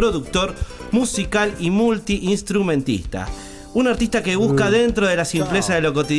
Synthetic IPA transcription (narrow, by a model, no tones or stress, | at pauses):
ɾoðuk̚t̪o̞ɾ | musikalimult̪iʔinst̪ɾumẽ̞nt̪ḭst̪a̰ | unaɾt̪ist̪akeβ̞uskaðent̪ɾo̞ð̞e̞lasimplesaðelo̞kot̪ið